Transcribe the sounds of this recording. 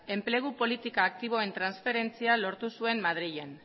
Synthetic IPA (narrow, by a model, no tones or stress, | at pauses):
e̞mple̞ɣ̞upo̞lit̪ikaːk̚t̪iβ̞o̞e̞nt̪ɾansfe̞ɾe̞nt͡sialo̞ɾt̪usue̞mmað̞ɾiʎen